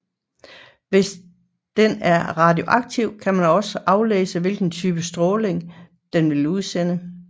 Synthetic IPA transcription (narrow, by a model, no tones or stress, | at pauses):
ʋe̝s | d̥enæɐʁɑ̈d̥io̝ʔɑ̈ɡ̥̚t͡sʰiʊ̰kʰæmænɒ̽səʔɑ̈ʊlḛːsəʋe̝lɡ̥n̩t͡sʰyːb̥əsd̥ʁɔːle̝ŋ | d̥enʋe̝luð̞̩ˠsen̰ə